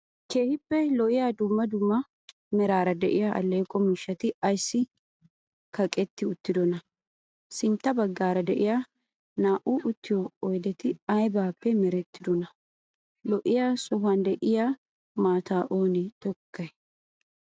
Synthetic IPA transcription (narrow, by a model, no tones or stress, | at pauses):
ke̞ːhɪpːɛlɔʔɪjaːd̪ʊmːɐd̪ʊmːɐ | mɛɾaːɾɐd̪ɛʔɪjaːʔɐ̰lːe̞ːkʼːɔmɪʃːɐt̪ɪɐjsːɪ | kɐkʼɛt̪ːɪʊt̪ːɪd̪ɔnɐ | sɪnt̪ːɐbɐɡːaːɾɐd̪ɛʔɪjaː | naːʔʊʔʊt̪ːɪjɔɔjd̪ɛt̪ɪɐjbaːpːɛmɛɾɛt̪ːɪd̪ɔnɐ | lɔʔɪjaːsɔhand̪ɛʔɪja | maːt̪aːʔoːnɪt̪ɔkːɐj